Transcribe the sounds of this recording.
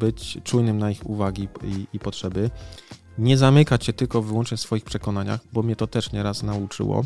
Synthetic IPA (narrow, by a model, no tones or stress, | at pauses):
bɘt͡ɕt͡ʂujnɘmnaixṵvaɡʲiiipɔtʂɛbɘ | ɲɛzamɘkat͡ɕɕɛt̪ɘlkɔvɘwɔnt͡ʂɲɛsfɔjixpʂɛkɔnaɲa̰xbɔmʲɲɛt̪ɔt̪ɛʂɲɛɾasnaut͡ʂɘ̰wɔ̰